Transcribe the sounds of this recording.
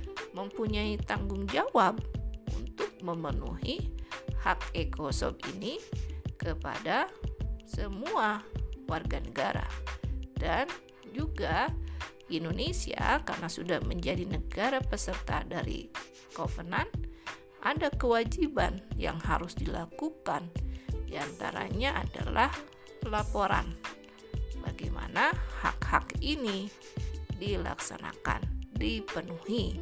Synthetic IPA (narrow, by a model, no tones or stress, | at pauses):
məmpuɲait̪aŋɡʊŋd͡ʒawab̚ṵnt̪ʊk̚məmənṵhihak̚ekʰosɔ̰bḭnikəpa̰da | səmuawarɡanəɡaɾa̰dan | d͡ʒuɡa | indonesia̰karnasudahməɲd͡ʒadinəɡaɾapəsərt̪adaɾḭ | kofənan | ʔadakəwad͡ʒibanja̰ŋhaɾʊsdilakukandiant̪aɾa̰ɲaʔada̰lah | lapoɾa̰n | baɡajma̰naha̰khakini | dila̰ksana̰ka̰ndipənuhi